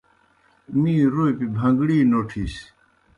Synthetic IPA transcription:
mĩːɾopibʱɐ̃ŋɡɽiːnoːʈʰis

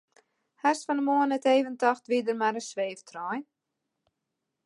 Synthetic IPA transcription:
hɛsfɔnəmoənɛteːvəntɔxtʋidərmaɾəsʋeːftʰrɔj

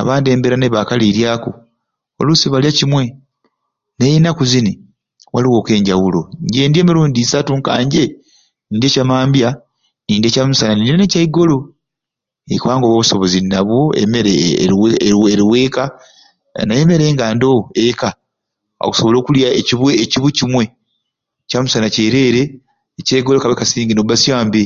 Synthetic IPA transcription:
a̰βaːndie̞ːmbeɾaneβakaliɾjaːko | wa̰lusiβaljacimwe̞ | nejinakuzini | waliwo̞ːke̞ːɲɟawulo̞ɲɟeːndje̞ːmiɾuːndisatuŋkaːɲɟe̞ | niːndiecamaːmbja | niːndiecamusananindienecaiɡo̞lo̞ | ekwaːŋɡoːβoːβuso̞βozinːaβwoḛmeɾeweeɾiwe̞ːka | naje̞me̞ɾe̞ːŋɡaːndoeka | o̰ku̥soβo̞lo̞ːkuljaeciβweːciβucimwe̞ | camusanaceɾe̞ːɾe̞ː | caiɡolokaβekasiːŋɡinoβasjaːmbe

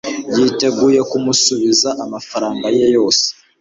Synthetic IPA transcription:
jiːte̞ɡuje̞kumusuβizaʔamafaɾaːŋɡaje̞jo̞ːse̥

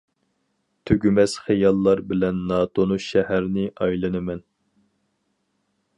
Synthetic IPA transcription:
t̪ʰøɡʲymɛz̥χejɑlˠːɑɾbɪlɛnːɑːt̪ʰonuʃɛhæɾnɪʔɑjlˠɨnɨmɛn

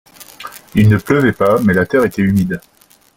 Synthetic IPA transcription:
ilnəpləvɛpamɛlat̪ɛʁet̪ɛymid̪

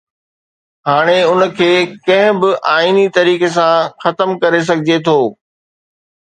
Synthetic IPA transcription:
ɦaːɽ̃eʊnə̆kʰeːkɐ̃ɦɪ̃bɪʔaːiːnit̪ɐɾiːkes̬ãxɐt̪əmkɐɾes̬ɐɡʱɪd͡ʑet̪ʰoː

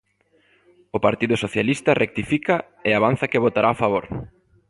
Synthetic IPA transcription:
opaɾt̪iðʊsoθjalist̪ɐrʔek̚t̪ifikɐ | eaβan̟θɐkeβ̞ot̪aɾafaβ̞oɾ

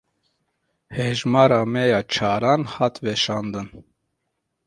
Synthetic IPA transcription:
hɛʒmɑːɾɑːmɛjɑːt͡ʃʰɑːɾɑːnhɑːt̪ʰvɛʃɑːnd̪ɨn

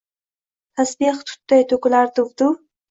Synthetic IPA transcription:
t̪ʰasbiqt̪ʰʊ̥t̪ːajt̪ʰokʊlaɾd̪ʊvd̪ʊ

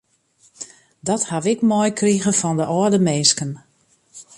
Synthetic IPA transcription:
dɔthaʋɪkmɔjkriɣəfɔndəʔɔərdəmeːskən

